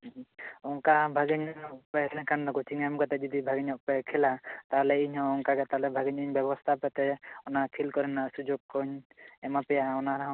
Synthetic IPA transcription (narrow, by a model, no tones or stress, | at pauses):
ɔŋkabʱaɡiɲɔɲɔk̚pɛnɛkʰandɔɡɔt͡ʃʰiŋamkat̪ɛd͡ʒɔd̪ibʱaɡiɲɔk̚pɛkʰɛlat̪aɦlɛiɲɦɔ̃ɔŋkaɡɛt̪alɛbʱaɡiɲiɲbjɛβɔst̪ʰapɛt̪ɛɔnakʰilkɔɾɛnasud͡ʒoɡ̚kːɔɲɛmapɛjaɔnaɾaɦɔ̃